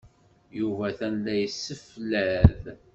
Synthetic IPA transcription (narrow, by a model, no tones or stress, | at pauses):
juvæθænlːæjəsːəflæð